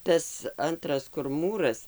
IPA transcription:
ˈtɐs ˈɐntrɐs kʊr ˈmuːrɐs

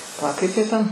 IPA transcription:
pɐˈlˠɐ ˈkɐɪp ˈjiɛ tʲɛn

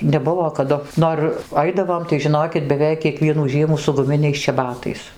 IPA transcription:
nʲɛˈbʊʋoː kɐˈdʊ ˈnoːr ˈɐɪdɐʋoːm tɐɪ ʒʲɪˈnoːkʲɪt bʲɛˈʋʲɛɪk kʲiɛˈkʋʲiɛnuː ˈʒʲiɛmuː sʊ ɡʊˈmʲɪnʲɛɪs t͡ʃʲɛˈbɑːtɐɪs

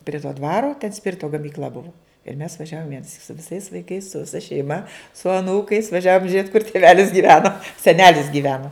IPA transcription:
pʲrʲɪ toː ˈdʋɑːroː tʲɛn ˈsʲpʲɪrʲɪtoː ɡɐmʲiːkˈlʲɐ ˈbʊʋʊ ɪr mʲɛs ʋɐˈʒʲæːʋoːm ʋʲiɛnɐˈsʲiːk sʊ ʋʲɪˈsɐɪs ʋɐɪˈkɐɪs sʊ ʋʲɪˈsɐ ʃʲɛɪˈmɐ sʊ ɐˈnuːkɐɪs ʋɐˈʒʲæːʋoːm ʒʲiɛt kʊr tʲɪˈʋʲæːlʲɪs ɡʲiːˈʋʲæːnoː sʲɛˈnʲæːlʲɪs ɡʲiːˈʋʲæːnoː

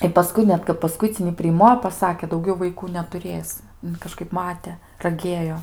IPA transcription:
ɪ pɐˈskʊɪ nʲɛt kɐp pɐˈskʊɪt͡sʲɪnʲiː pʲrʲɪˈmoː ɪ pɐˈsɑːkʲeː dɐʊˈɡʲɛʊ ʋɐɪˈkuː nʲɛtʊˈrʲeːs kɐˈʃkɐɪp ˈmɑːtʲɛ rɐˈɡʲeːjoː

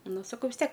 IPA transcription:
ˈnʊ sɐˈkɐʊ ʋʲɪs ˈtʲiɛk

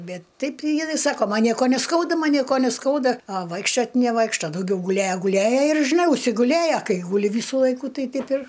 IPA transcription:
ˈbʲɛt ˈtɐɪp jɪˈnɐɪ ˈsɑːkoː ˈmɐn ˈnʲiɛkoː nʲɛˈskɐʊdɐ ˈmɐn ˈnʲiɛkoː nʲɛˈskɐʊdɐ ɐ ˈʋɐɪkʃʲt͡ʃʲoːt nʲɛˈʋɐɪkʃtoː dɐʊˈɡʲɛʊ ɡʊˈlʲeːjɛ ɡʊˈlʲeːjɛ ɪr ʒʲɪˈnɐɪ ʊʃʲsʲɪɡʊˈlʲeːjɛ ˈkɐɪ ɡʊˈlʲɪ ˈʋʲiːsʊ ˈlˠɐɪkʊ ˈtɐɪ ˈtʲɛɪp ɪr

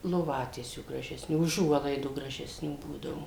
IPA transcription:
lˠoːˈʋɑːtʲiɛsʲuː ɡrɐʒʲɛsʲˈnʲuː ʊˈʒuɔlˠɐɪduː ɡrɐʒʲɛsʲˈnʲuː ˈbuːdɐʋʊ

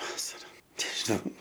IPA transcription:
ˈʋɑːsɐrɐ nʲɛʒʲɪˈnɐʊ

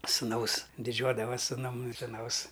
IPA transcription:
suːˈnɐʊs dʲɪˈd͡ʒʲuɔdɐʋɐsʲ sʊˈnʊm sʊˈnɐʊs

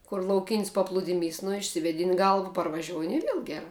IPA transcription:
kʊr lˠɐʊˈkʲɪnʲsʲ pɐˈplˠʊdʲɪmʲiːs nʊ ɪʃʲsʲɪʋʲeːˈdʲɪnʲ ˈɡɐlˠʋɐ pɐrʋɐˈʒʲoːʊnʲɪ ɪ ˈʋʲiɛlˠ ɡʲɛˈrɐ

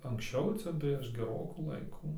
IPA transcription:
ɐŋksʲˈt͡ʃʲɛʊ ˈt͡sʲɛ pʲrʲiɛʃ ɡʲɛˈroːkuː ˈlˠɐɪkʊ

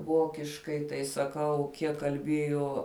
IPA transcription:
ˈʋoːkʲɪʃkɐɪ tɐɪ sɐˈkɐʊ ˈkʲiɛk kɐlʲˈbʲeːjoː

